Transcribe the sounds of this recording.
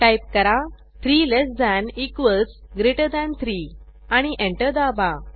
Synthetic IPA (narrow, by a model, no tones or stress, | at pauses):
ʈajp̚kəɾa | t̪ʰɾilesd̪anikʋəlsɡɾeʈəd̪ãnt̪ʰɾi | aɽ̃iʔẽɳʈəd̪aba